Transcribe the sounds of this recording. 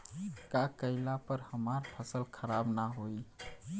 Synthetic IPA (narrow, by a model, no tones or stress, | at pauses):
kakəɪlapəɾhəmaɾpʰəsəlkʰəɾabnaɦoj